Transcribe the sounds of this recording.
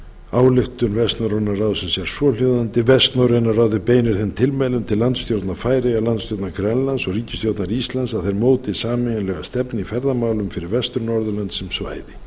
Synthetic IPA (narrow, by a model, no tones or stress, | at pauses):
aːwlɪxt̪ʏnvɛst̪nawɾenːarawðsɛmsjɛɾ̥sɔljowðant̪ɪvɛst̪nawɾenːaraːwðɪpeːjnɪɾ̥θɪnt̪ʰɪlmɛlʏmt̪ʰɪlːant̪st̪jowt̪naɾfaːjɾeɣalant̪st̪jowt̪naɡɾɛnlansɔɣriːcɪst̪jowt̪naɾist̪lansaðθejɾmoːwt̪ɪsaːmɪnlɛɣast̪ɛpnɪifɛɾðamaːwlʏmfɪɾɪɾvɛst̪ʏɾnɔɾðʏlant̪sɛmsva̰ːjðɪ